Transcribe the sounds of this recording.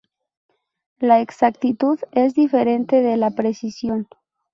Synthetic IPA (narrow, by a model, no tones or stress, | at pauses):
laeksak̚t̪it̪uðezðife̞ɾe̞nt̪eðe̞lapɾe̞sisjo̞n